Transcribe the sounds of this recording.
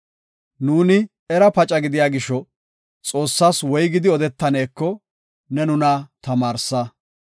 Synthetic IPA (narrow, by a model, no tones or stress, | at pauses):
nuːnɪ | ɛɾɐpɐt͡ʃʼɐɡɪd̪ɪjaːɡɪʃːɔ | t͡sʼo̞ːsːaːswɔjɡɪd̪ɪɔd̪ɛt̪ːɐneːkːɔ | nɛnʊnɐt̪ɐmaːɾsːɐ